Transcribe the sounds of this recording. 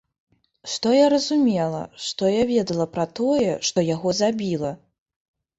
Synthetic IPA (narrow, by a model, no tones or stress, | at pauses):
ʂt̪ɔjaɾɐzumʲɛlˠɐ̰ʂt̪ɔjavʲɛd̪ɐlˠɐpɾɐt̪ɔjɛʂt̪ɔjaɣɔzabʲilˠɐ